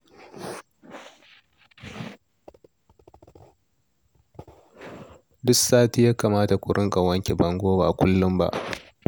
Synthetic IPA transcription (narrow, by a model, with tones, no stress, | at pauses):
dʊ˦saː˦ti˦jaː˦kaː˨maː˦ta˨kʷʊ˨ɽʔʊ˦ŋkʼa˨wɐ˦ŋkʲe˨bɐ˨˦ŋɡʷoː˦baː˨kʷʊ˦lːʊ˦mba̰˦ʔ